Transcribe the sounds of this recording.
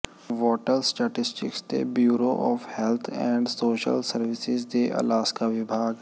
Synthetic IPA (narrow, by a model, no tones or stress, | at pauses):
ʋɔːʈəlsʈeːʈɪsʈɪkst̪ḛbjuːɾoʔɔːfhɛlt̪ʰɛ̃ːɳɖsoːʃə̰lsəɾʋɪsɪzd̪eʔɐ̰laːskaʋɪbʱaːɡ